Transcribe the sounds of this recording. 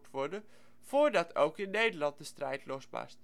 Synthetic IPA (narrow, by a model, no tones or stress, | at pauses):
tʋɔɹdə | v̥oːɹdɑtʰo̰wkɪnːejdəlɑnt̚dəstrɛjtlɔsbɑ̰st